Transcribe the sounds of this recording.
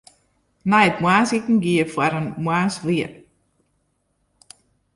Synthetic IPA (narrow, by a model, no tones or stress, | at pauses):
najət̪mwaːsikn̩ŋ̩ɡiəfwaɾənmwaːsviət